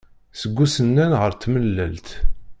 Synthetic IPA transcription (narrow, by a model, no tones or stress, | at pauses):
səɡʷːusənːænʁəɾt̪məlːælt̪